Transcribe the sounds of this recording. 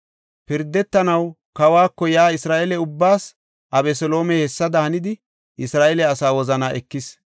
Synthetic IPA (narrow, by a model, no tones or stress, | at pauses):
pɪɾd̪ːɛt̪ːɐnɐw | kɐwaːkːɔjaːɪsɾaːʔɛlɛʊbːaːs | ʔɐbɛsɔloːmɛhɛsːɐd̪ɐhɐnɪd̪ɪ | ʔɪsɾaːʔɛlɛɐsaːwɔzɐnaːʔɛkːɪs